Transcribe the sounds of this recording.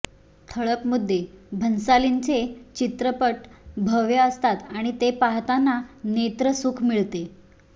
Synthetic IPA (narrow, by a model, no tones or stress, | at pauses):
t̪ʰəɭəpmud̪ʱːebʱənsalint͡set͡ɕit̪ɾəpəʈbʱəʋjəəst̪at̪aɽ̃it̪epaɦt̪anːanet̪ɾəsukʰmiɭt̪e